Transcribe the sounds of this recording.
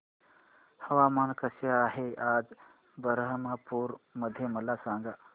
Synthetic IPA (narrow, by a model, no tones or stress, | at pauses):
hɐʋaːmaːnkɐsjaɦeʔaːd͡ʒ | bəɾɦəmaːpuːɾmɐd̪ʱjemɐlaːsãːŋɡa